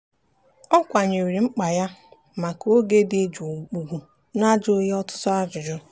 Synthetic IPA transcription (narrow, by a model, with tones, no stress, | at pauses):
ɔ˦kʷa˨ɲe˨wi˨ɾi˨ŋ͡m̩˦k͡pa˨ja˦ | ma˨ko˦ɡe˦de˦d͡ʒu˨ɡ͡bu˨ɡʷu˨ | na˦d͡ʒʊ˦je˦ɔ˦tʊ̥˦tɔ˦a˦d͡ʒʊ˨d͡ʒʊ˦